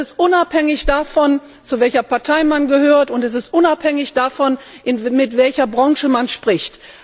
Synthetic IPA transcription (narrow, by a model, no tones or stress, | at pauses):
ɪstʔʊnaphɛŋɪçd̥afɔn | t͡suvɛlçɐpaɐtʰaɪmanɡəɦøːɐtʊntɛs̬ɪstʔʊnaphɛŋɪçd̥afɔn | ʔɪnmɪtv̥ɛlçɐbʁɔŋʃəmanʃpʁ̥ɪçt